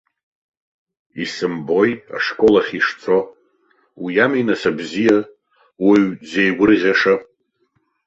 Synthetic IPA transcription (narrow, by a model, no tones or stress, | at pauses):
isɨmbo̞ja̰ʂkʷʼo̞laχʲiʂt͡sʰʼo̞ | wijaminasabzija | wiɥd͡zejɡʷʊrʁʲaʂa